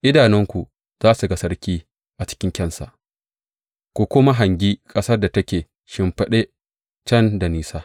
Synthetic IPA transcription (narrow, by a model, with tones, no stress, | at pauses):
ʔɪ˦daː˨nɪ˦ŋkʷu˨ | z̥aː˦su˨ɡa˦sɐ˦ɽkʲiː˦ | ʔa˨t͡ʃɪ̥˦kʲɪ˦ŋkʲɐ˦˨nsa˨ʔ | kʷu˨kʷʊ˦ma˦ɦa˨ŋɡʲiː˦kʼɐ˦sɐ˦rda˨tɐ˦kʲeː˨ | ʃɪ˦mɸɐ˦ɗe˦ | t͡ʃɐ˦nda˨niː˨saː˦